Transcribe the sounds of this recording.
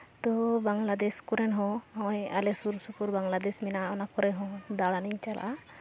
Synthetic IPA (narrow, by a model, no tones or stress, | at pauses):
t̪ɔbaŋlad̪ɛskɔɾɛnɦɔ̃awjalɛsuɾsupuɾbaŋlad̪ɛsminaɔnakɔɾɛɦɔ̃d̪aɽaniɲt͡ʃalʔa̰